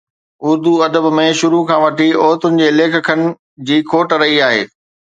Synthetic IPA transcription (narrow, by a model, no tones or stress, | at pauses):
ʊɾd̪uɐd̪əbmẽʃʊɾukʰãːʋɐʈiɔːt̪ʊnɪ̆d͡ʑeːleːkʰkʰənɪ̆ | d͡ʑiːkʰoːʈɾɐɦiaːɦḛː